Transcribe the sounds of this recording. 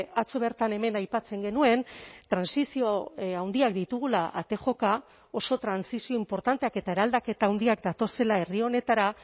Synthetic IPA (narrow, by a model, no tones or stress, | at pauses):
at͡so̞βe̞ɾt̪ane̞me̞najpat͡se̞ŋɡe̞nue̞nt̪ɾansisioawnd̪iak̚d̪it̪uɣ̞ulaʔat̪e̞xo̞ka | o̞so̞t̪ɾansisio̞impo̞ɾt̪ant̪e̞ake̞t̪aeɾald̪ake̞t̪aːwnd̪iakd̪at̪o̞se̞lae̞rio̞ne̞t̪aɾa